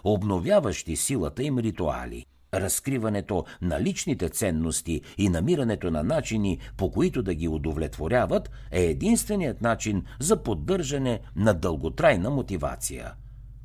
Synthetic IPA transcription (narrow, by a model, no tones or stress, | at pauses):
obnovʲjavəʃt̪isilˠət̪əimɾit̪ua̰lḭ | ɾɐskɾivɐnɛt̪onɐlit͡ʃnit̪ɛt̪sɛnːost̪iːnɐmiɾɐnɛt̪onɐnat͡ʃinipokoit̪od̪ɐɡʲiod̪ovlɛt̪voɾʲjavət̪ | ɛɛd̪inst̪vɛnijət̪nat͡ʃinzɐpod̪ːɤɾʒɐnɛnɐd̪əlˠɡot̪ɾajnəmot̪iva̰t̪sḭjə̰